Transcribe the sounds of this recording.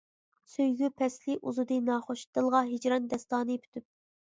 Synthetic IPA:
søjɡʲypʰɛslɪʔuzɨd̪ɨnɑːχoʃt̪ɨlˠʁɑɦed͡ʒɾɑnd̪ɛst̪ɑːnɨpʰy̥t̪ʰyp̚

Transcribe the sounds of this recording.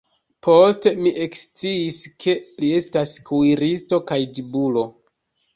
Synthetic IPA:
pʰo̞ste̞miʔe̞kst͡siːskʰe̞lie̞staskuiɾisto̞kajdibulo̞

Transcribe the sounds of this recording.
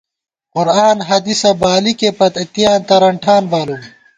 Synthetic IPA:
qʊɾaːnɦɐd̪isɐbaːlikepɐt̪ɐt̪ijaːnt̪ɐɾɐɳʈʰaːnmaːlum

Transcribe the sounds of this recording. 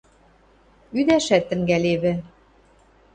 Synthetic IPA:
yd̪æʃæt̪ːɘ̆ŋɡæleβɘ̆

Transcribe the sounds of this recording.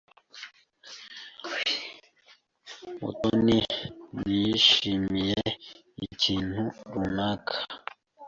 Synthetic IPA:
mṵtoninijiʃimije | ḭciːn̥huɾunakʰḁ

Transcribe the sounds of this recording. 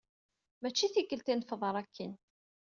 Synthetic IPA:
mæt͡ʃːiθikːəlt̪infəðˤəɾˤækʰːin

